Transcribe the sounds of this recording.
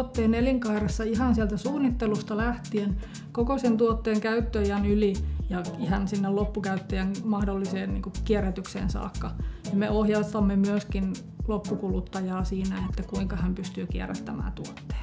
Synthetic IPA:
ot̪ːeːneliŋkɑirɑsːɑihɑnsiælt̪æsuːnːit̪ːelust̪ɑlæht̪ien | kokosent̪uot̪ːeːŋkæyt̪ːøjænylijɑihɑnsinːellopːukæyt̪ːøjænmɑhdolːiseːnniːŋkukieræt̪yksḛːnsɑ̰ːkːɑnɑmeohjɑst̪ɑmːemyøskin | lopːukulut̪ːɑjɑːsiːnæet̪ːækuiŋkɑhæmpyst̪yːkiḛræ̰t̪ːæmæ̰ːt̪uot̪ːe̥ː

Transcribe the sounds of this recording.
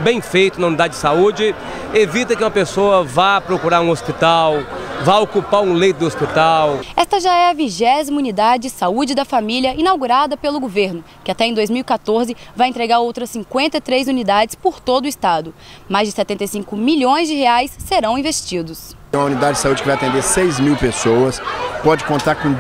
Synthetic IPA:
bẽj̃fejt̪ʊnɐunid̪ad͡ʒɪd͡ʒɪsaud͡ʒɪ | evit̪ɐkɪũmɐpesoɐvapɾokuɾaɾũospit̪awvajokupaɾũlejt̪ʊd̪ɪospit̪awɛst̪ɐʒaɛɐviʒɛzimɐunid̪ad͡ʒɪd͡ʒsaud͡ʒɪd̪ɐfamiliɐʔinawɡuɾad̪ɐpelʊɡoveɾnʊ | kɪat̪ɛẽd̪ojzmiuwikat̪oɾzɪvajẽnt̪ɾeɡaɾowt̪ɾɐsːĩkwẽnt̪ɐɪt̪ɾezunid̪ad͡ʒɪspoɾt̪od̪ʊist̪ad̪ʊ | majzd͡ʒɪsɛt̪ẽnt̪ejsĩŋkʊmiʎõj̃zd͡ʒɪheajsːeɾɐ̃w̃ĩvest͡ʃid̪ʊs | ũmɐunid̪ad͡ʒɪd͡ʒɪsaud͡ʒɪkɪvajɐt̪ẽnd̪eɾsejzmiwpesowɐspɔd͡ʒɪkõnt̪aɾkõ

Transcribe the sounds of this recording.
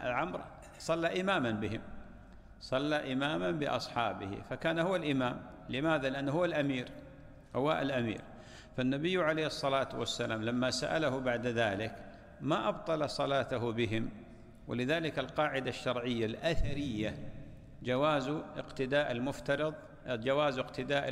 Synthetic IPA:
ʔalʕʊmɾ̰ˤ | sˤɑlːaʔɪmaːmanbɪɦɪ̰m | sˤɑlːaʔɪmaːmanbɪʔɑ̰sˤħɑːbɪ̰hɪ̰fakaːnhʊwːalʔɪmaːm | lɪmaːðalɪʔanːɦʊwːalʔamiːɾ | hʊwa̰ʔa̰lʔamḭːɾ | fanːabɪjːʕaleːhɨsˤːɑlaːt̪wasːalaːmlamːasa̰ʔa̰lahʊbaʕd̪ðaːlɪk | maʔɑbt̪ˤɑlɑsˤɑlɑːt̪aɦʊbɪɦɪm | wɪ̰lɪðaːlɪkalqɑːʕɪd̪aʃːɑɾˤʕɪjːalʔaθaɾɪjːa | d͡ʒawaːzʔɪ̰qt̪ɪd̪aːʔalmʊft̪ɑɾɨðˤ | d͡ʒawaːzɪqt̪ʰɪd̪aːʔ

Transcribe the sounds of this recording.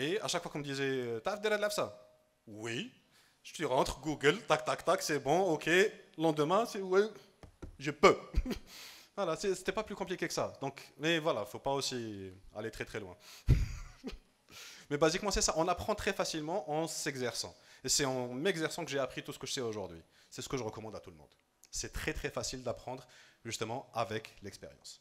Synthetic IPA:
ea̰ʃakfwakɔ̃məd̪izɛt̪afd̪eɾad̪lafsa | wi | ʒə̥t̪yʁɑ̃t̪χɡuɡəlt̪ak̚t̪akt̪aksɛbɔ̃okʰelɑ̃d̪əmɛ̃sɛwi | ʒepø | vwalasɛse̥t̪ɛpaplykɔ̃plikʲekə̥sa̰d̪ɔ̃kmɛvwalafopaosia̰let̪χɛt̪χɛlwɛ̃ | mɛbazikmɑ̃sɛsaʔɔ̃napχɑ̃t̪χɛfasilmɑ̃ʔɑ̃sɛɡzɛʁsɑ̰̃esɛɑ̃mɛɡzɛʁsɑ̃kəʒeapχit̪usə̥kəʒəsɛoʒuʁd̪ɥḭ | sɛsə̥kəʒəʁəkɔmɑ̃d̪at̪uləmɔ̰̃d̪ | sɛt̪χɛt̪χɛfasild̪apχɑ̃d̪ʁʒyst̪əmɑ̃avɛklɛkspḛʁjɑ̰̃s

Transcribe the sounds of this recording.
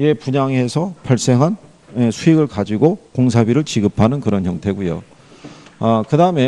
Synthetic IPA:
e̞puɲaŋesʰʌpaɭs͈e̞ŋɦan | esʰuiɡɯɭkad͡ʑiɡokoŋsʰabiɾɯɭt͡ɕiɡɯpʰanɯnkɯɾʌnçjʌŋtʰe̞ɡujo̰ | ʌkɯdaɯme̞

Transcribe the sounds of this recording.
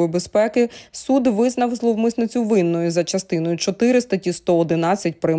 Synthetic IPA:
bespɛkɪsud̪ʋɪznɐwzlˠɔʋmɪsnɪt͡sʲʊʋɪnːɔjʊzɐt͡ʃɐst̪ɪnɔjʊt͡ʃɔt̪ɪɾɪst̪ɐtʲist̪ɔɔd̪ɪnɑt͡sʲːɐt̚ʲpɾɪ

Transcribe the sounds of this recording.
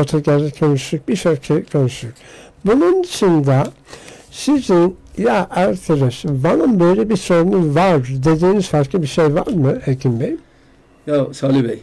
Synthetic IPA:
ot̪ʰaɟæɾzɛcʰonuʃuk̚biʃøɾcʰekʰonuʃuc | bunund̪ɯʃɯnd̪a | sizinjaʔæɾt̪ʰeɾɛʃbanɯmbøjlʲɛbiɾso̞ɾunuzvaɾd̪d̪e̞d̪iːniz̥falˠklˠɯbiʃejva̰ɾmɯeɾcʰinbejim | josalibi

